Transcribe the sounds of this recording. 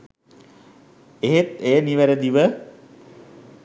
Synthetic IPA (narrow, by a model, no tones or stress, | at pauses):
eɦet̪ejəniʋæɾəd̪iʋə